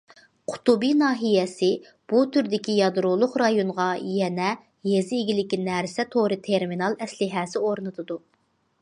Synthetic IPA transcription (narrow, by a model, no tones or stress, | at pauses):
qʰʊ̥t̪ubinɑːɦijɛsɪ | b̥ut̪ʰyɾd̪ɪkʲʰijɑd̪ɾulˠʊχɾɑjonʁɑjɛnɛ | jezɪiɡʲilɪkʲinɛɾsɛt̪ʰoɾɨt̪ʰeɾminɑlˠɛslɪɦɛsɪoɾnɨt̪ʰɨd̪u